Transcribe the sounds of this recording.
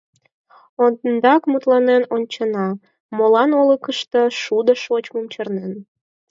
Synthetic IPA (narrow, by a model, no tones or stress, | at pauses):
ond̪nd̪ɑkmut̪lɑnenonʲt͡ɕənɑ | molɑnoləkəʃt̪ə̽ʃud̪əʃot͡ɕmumt͡ɕərnen